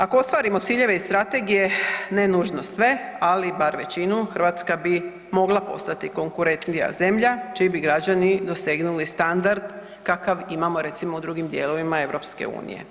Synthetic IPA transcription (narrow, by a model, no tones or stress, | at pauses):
akoo̞st̪ʋaːɾimo̞t̪siːʎe̞ʋeist̪ɾat̪e̞ɡije̞nenuːʒno̞sʋe̞alibaɾʋe̞t͡ɕinuxrɾʋaːt̪skabi | mo̞ɡlˠapo̞̰st̪at̪iko̞ŋkuɾe̞nt̪nija̰ze̞mʎat͡ʃibiɡɾad͡ʑanid̪o̞se̞ɡnulist̪and̪aɾd̪ | kakaʋimamo̞ɾe̞t̪simoud̪ɾuɡimd̪je̞lo̞ʋimae̞ʋɾo̞pskḛṵːnḭjḛ